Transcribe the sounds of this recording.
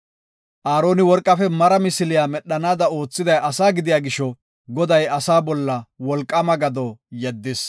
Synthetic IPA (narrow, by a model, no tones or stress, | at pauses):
ʔaːɾo̞ːnɪwɔɾkʼːɐfɛmɐɾɐmɪsɪlɪjaːmɛɗːɐnaːd̪ɐoːt͡sːɪd̪ɐjʔɐsaːɡɪd̪ɪjaːɡɪʃɔ | ɡɔd̪ɐjɐsaːbɔlːɐwɔlkʼːɐmɐɡɐd̪ɔjɛd̪ːɪs